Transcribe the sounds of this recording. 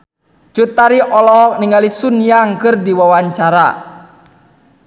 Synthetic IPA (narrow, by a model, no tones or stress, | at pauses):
d͡ʒut̪aɾiʔɔlɔɦɔk̚niŋɡalisunjaŋkɨrdiwawaɲt͡ʃaɾa̰